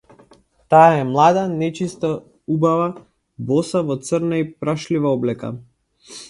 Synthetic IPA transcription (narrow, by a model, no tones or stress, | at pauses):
t̪aːɛmlˠad̪anɛt͡ʃist̪a | ubava | bɔsavɔt̪sərnaipɾaʃlivaɔblɛka̰